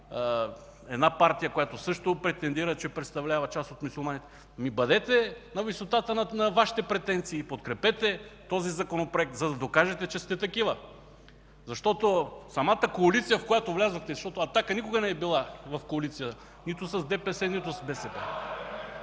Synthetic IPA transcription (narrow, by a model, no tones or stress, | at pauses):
ɛd̪napaɾt̪ijəkojat̪osɤʃt̪opɾɛt̪ɛnd̪iɾət͡ʃɛpɾɛt̪st̪ɐvlʲavɐt͡ʃasot̪musulˠmanit̪ɛ̥ | mibɐd̪ɛt̪ɛnɐvisot̪at̪ənɐnɐvaʃi̥t̪ɛpɾɛt̪ɛnt̪siːpot̪kɾɛpɛt̪ɛt̪ɔzizɐkonopɾoɛk̚t̪zɐd̪ɐd̪okaʒɛt̪ɛt͡ʃɛst̪ɛt̪ɐkivə | zɐʃt̪ɔt̪osɐmat̪əkoɐlit̪sijəfkojat̪ovlʲazoxt̪ɛzɐʃt̪ɔt̪oɐt̪akənikoɡɐnɛːbilˠavɐfkoɐlit̪sijət̪ | nit̪ʊsɐzd̪ɛpɛsɛnit̪ʊsɐzbɛsɛpɛ̰